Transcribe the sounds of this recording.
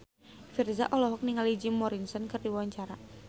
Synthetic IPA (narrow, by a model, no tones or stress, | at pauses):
firza̰ʔɔlɔɦɔk̚niŋalid͡ʒimɔɾinsɔnkɨrdiwawaɲt͡ʃaɾa